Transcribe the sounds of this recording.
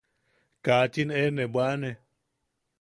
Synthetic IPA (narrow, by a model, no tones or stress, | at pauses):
kaːt͡ʃinɛnɛbwaːnɛ